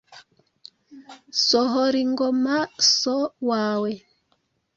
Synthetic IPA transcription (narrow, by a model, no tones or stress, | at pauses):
sɔɦɔɾiŋɡɔmasɔwaːwɛ